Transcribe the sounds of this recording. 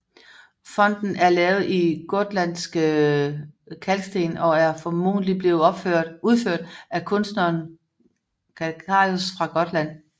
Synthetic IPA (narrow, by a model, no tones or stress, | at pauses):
fɒ̽n̰d̥n̩ʔæɐlɛːʊð̩ˠiɡ̥ɔd̥læn̰sɡ̥ə | kʰælɡ̥sd̥e̝̰ːnɒ̽æɐfɒ̽mo̝ːn̩lib̥le̝ːð̩ˠɒ̽b̥føɐ̰̥uð̞ˠføɐ̰d̥ækʰɔ̽nsd̥nɐn | kʰæɑ̈josfʁɑ̈ɡ̥ɒ̽d̥læn̰